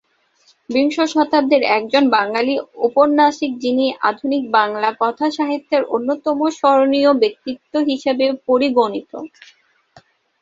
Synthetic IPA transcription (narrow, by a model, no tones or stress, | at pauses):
biŋʃoʃɔt̪ʰab̚d̪eɾɛk̚d͡ʑonbaŋɡaliupoɾnaʃik̚d͡ʑiniʔa̰d̪ʱunik̚baŋlakɔt̪ʰaʃaɦit̪ːeɾonːot̪ɔmoʃɔɾoniobek̚t̪it̪ːoɦiʃebepoɾiɡonit̪o̰